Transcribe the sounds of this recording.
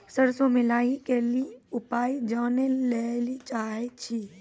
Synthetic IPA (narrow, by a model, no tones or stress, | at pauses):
səɾsomɪlaːikeliʊpaːid͡ʒaːnelelit͡ʃaːɦet͡ʃʰi